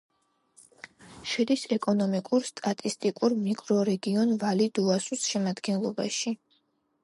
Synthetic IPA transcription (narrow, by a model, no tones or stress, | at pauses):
ʃɛd̪isɛkʼɔnɔmikʼuɾst̪ʼat̪ʼist̪ʼikʼuɾmikʼɾɔɾɛɡiɔnvalid̪uasusʃɛmad̪ɡɛnlˠɔba̰ʃi